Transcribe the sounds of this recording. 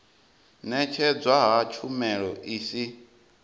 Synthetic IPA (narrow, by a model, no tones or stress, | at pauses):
nɛt͡ʃʰɛd͡zwaɦat͡ʃʰumɛɺɔʔiːsi